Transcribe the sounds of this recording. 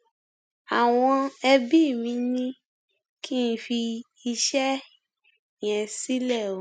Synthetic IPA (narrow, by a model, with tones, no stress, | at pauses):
a˨w̃ɔ̃˧ɛ˧bi˦˨mĩ˨˧˦nĩ˦ | ki˦n̩˧fi˧ | i˧ʃɛ˦˨ | jɛ̃˨si˦lɛ˦˨õ˨˦